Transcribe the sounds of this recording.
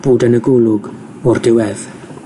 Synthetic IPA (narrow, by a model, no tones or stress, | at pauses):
b̥uːdənəɡʊlʊɡ | ʊrdɪwɛð